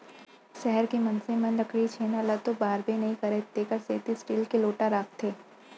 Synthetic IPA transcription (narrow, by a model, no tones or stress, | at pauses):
ʃɛɦəɾkemɐnsẽmɐnɾɐkɽit͡ʃʰeːnalat̪ːobaːɾbenɐɦĩkɐɾet̪eːkəɾseːt̪isʈiːlkeloːʈaɾaːkt̪ʰeː